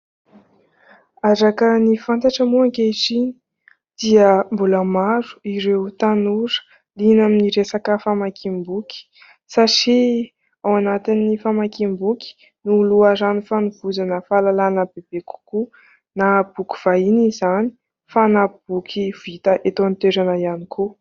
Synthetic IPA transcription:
aɾakənifant̪aʈ͡ʂəmuaŋkeʈ͡ʂini̥ | d̪̥iəmbuləmaɾu̥iɾeut̪anuɾə̥ | linaminiɾesakəfamakimbuki̥ | saʈ͡ʂi | awanat̪inːifamakimbuki̥ | nuluaɾanifanuv̥uzanəfalalanəbeb̥eku̥ku | nab̥ukʲu̥v̥ainizani̥ | fanab̥ukʰiv̥it̪əʔet̪ont̪eɾanəianikʰu

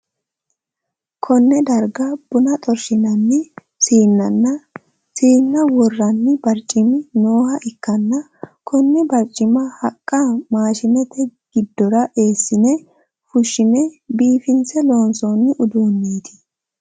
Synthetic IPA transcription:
kʰɔnːɛd̪ɐɾɡɐb̥ʊnɐt̪ʼɔɾʃɪnɐnːɪ | siːnːɐnːɐ | siːnːɐwɔrːɐnːɪbɐɾt͡ʃʼːɪmɪno̞ːhɐʔɪkːɐnːɐ | kʰɔnːɛbɐɾt͡ʃʼːɪmɐhɐkʼːɐmaːʃɪnɛt̪ɛɡ̥ɪd̪ːɔɾɐʔe̞ːsːɪnɛ | fʊʃːɪmɛbiːfɪnsɛlo̞ːnsonːɪʔʊd̪uːnːiːd̪ɪ̥

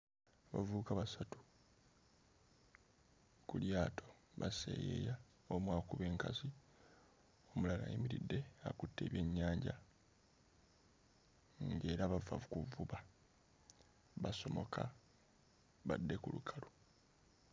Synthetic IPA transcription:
βa̰vuːkaβasatu̥ | kuljaːtʰo̞βasḛjḛja | omwaːkuβe̞ːŋkazi | omulala̰jḭmiɾidːe̞a̰kutːe̞ːβje̞ɲːaːɲɟa̰ | ŋɡe̞ːɾaβavavukuvuβa | βaso̞mo̞kʰa | βadːe̞kulukʰalo

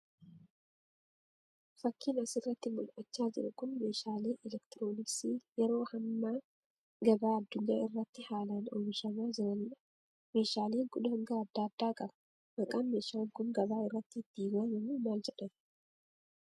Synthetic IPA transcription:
fɐkːɪnɐsɪrːɐt̪ːɪmʊlʔɐt͡ʃːaːd͡ʒɪɾʊkʊnme̞ːʃaːleːʔɛlɛkt̪ɪɾo̞ːnɪsiːjɛɾo̞ːhɐmːaː | ɡɐbaːɐd̪ːʊɲːaːɪrːɐt̪ːɪhaːlano̰ːmɪʃɐmaːd͡ʒɪɾɐnɐ | me̞ːʃaːleːŋɡʊɗɐhɐŋɡɐːd̪ːaːd̪ːaːkʼɐbɐ̥ | mɐkʼaːnmeːʃaːlkʊnɡɐbaːɪrːɐt̪ːɪd̪̥ːiːɡaːɲːɐmumaːld͡ʒɛᶑɐn

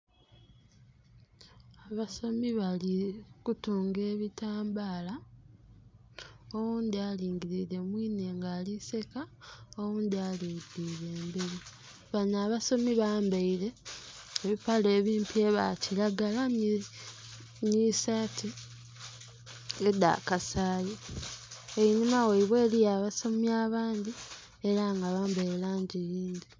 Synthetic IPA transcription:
aβaso̞miβalikutuːŋɡe̞ːβitaːmbaːla | owuːnd̪ialiːŋɡiɾiɾe̞mwiːne̞ːŋɡaːlise̞kaowuːnd̪ialiːdiɾe̞ːmbeɾi | βanaːβaso̞miβaːmbaiɾe̞ː | βipale̞ːβiːmpʰie̞βa̰ciɾaɡala | misati | ed̪a̰kasaːjo | ejinimaweiβwe̞ːlijaβaso̞miaːβaːnd̪i | e̞ɾaŋɡaβaːmbajelaːɲɟijiːndi

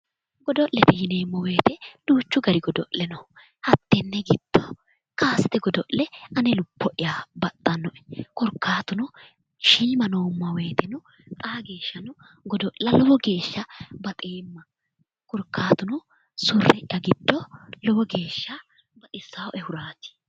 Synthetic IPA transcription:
ɡɔd̪ɔʔlɛt̪ɪjɪneːmːɔweːt̪ɛd̥uːt͡ʃːʊɡɐɾɪɡɔd̪ɔ̰ʔlɛnɔ | hɐt̪ːɛnːɛɡɪd̪̥ːɔ | kaːsɪt̪ɛɡɔd̪ɔʔlɛɐnɛlʊpːɔʔɪjabɐt̪ʼːɐnːɔʔɛ̥kɔɾkʰːaːt̪ʊnʊ | ʃiːmɐnoːmːɐwe̞ːt̪ɛnʊ | kʼaːɡe̞ːʃːɐnʊ | ɡɔd̪ɔʔlɐlɔwɔɡe̞ːʃːɐbɐt̪ʼeːmːɐ | kɔɾkʰːaːt̪ʊnʊ | sʊrːɛʔɪʔɐɡɪd̪̥ːɔlɔwɔɡe̞ːʃːɐ | bɐt̪ʼɪsawɛhʊɾaːt̪ɪ̥

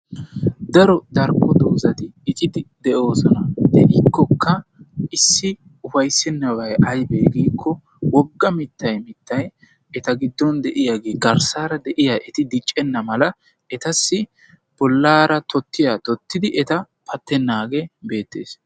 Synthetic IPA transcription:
d̪ɐɾɔd̪ɐɾkːɔd̪ɔzɐt̪ɪɪt͡ʃʼɪd̪ɪd̪ɛʔo̞ːsɔnɐd̪ɛʔɪkːɔkʰːɐʔɪsːɪ | ʊfɐjsːɛnːɐwɐjɐjbeːɡiːkʰːɔ | wɔɡːɐmɪt̪ːɐjmɪt̪ːɐj | ɛt̪ɐɡɪd̪ːɔnd̪ɛʔɪjaɡeːɡɐɾsaːɾɐd̪ɛʔɪjaʔɛt̪ɪd̪ɪt͡ʃʼːɛnːɐmɐlɐ | ɛt̪ɐsːɪ | b̥ɔlːaːɾɐt̪ɔt̪ːɪjaːt̪ɔt̪ːɪd̪ɪʔɛt̪ɐ | pʰɐt̪ːɛnːaːɡebe̞ːt̪ːḛːs

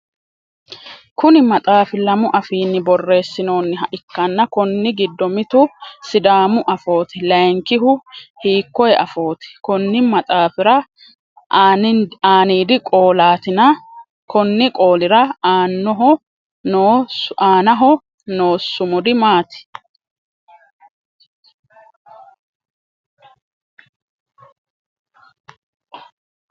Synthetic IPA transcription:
kʊnɪmɐt̪ʼaːfɪlɐmʊʔɐfiːnːɪbɔrːe̞ːsːɪno̞ːnːɪɦɐʔɪkːɐnːɐkɔnːɪɡɪd̪ːɔmɪt̪ʊsɪd̪aːmʊʔɐfo̞ːt̪ɪlɐjŋkɪɦʊhiːkːɔjɛʔɐfo̞ːt̪ɪ̥kɔnːɪmɐt̪ʼaːfɪɾɐ | aːniːd̪ɪkʼo̞ːlaːt̪ɪnɐ | kɔnːɪkʼo̞ːlɪɾɐaːnːɔɦɔ | oaːnɐɦɔ | noːsːʊmʊd̪ɪmaːt̪ɪ̥

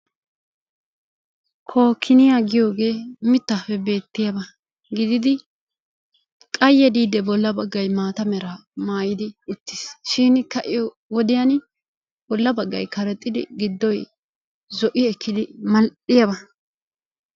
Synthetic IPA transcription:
kʰo̞ːkʰːɪnɪjaːɡɪjo̞ːɡe̞ːmɪt̪ːɐfɛbe̞ːt̪ːɪjɐbɐ | ɡɪd̪ɪd̪ɪ | kʼɐjːɛd̪iːd̪ɛbɔlːɐbɐɡːɐjmaːt̪ɐmɛɾamaːjɪd̪ɪʊt̪ːɪ̥sʃɪnkɐʔɪjɔ | wɔd̪ɪjɐn | b̥ɔlːɐbɐɡːɐ̰jkʰɐɾɛt̪ʼːɪd̪ɪ̰ɡɪd̪ːɔj | zɔʔɪɛkʰːɪd̪ɪmɐlɗɪjɐbɐ

